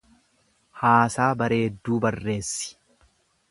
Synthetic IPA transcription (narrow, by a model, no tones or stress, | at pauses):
haːsaːbɐɾe̞ːd̪ːuːbɐrːe̞ːsːɪ̥